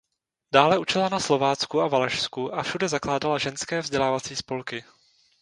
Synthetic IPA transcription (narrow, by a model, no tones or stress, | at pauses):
d̥aːlɛʔut͡ʃɪlanaslo̞vaːt͡skuavalɛʃskuʔafʃudɛzaklaːdalaʒɛnskɛːvzɟɛlaːvat͡siːspo̞lkɪ